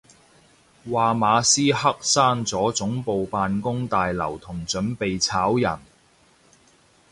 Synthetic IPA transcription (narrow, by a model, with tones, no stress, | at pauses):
waː˨maː˨˧siː˥hɐ˥k̚saː˥ŋt͡sɔː˨˥t͡sʊ˨˥ŋpo˨˧wpaː˨nkʊ˥ŋt̪aː˨jlɐ̰˨˩wt̪ʰʊ˨˩ŋt͡sɵ˨˥npe˨jt͡sʰaː˨˥wjɐ˨˩n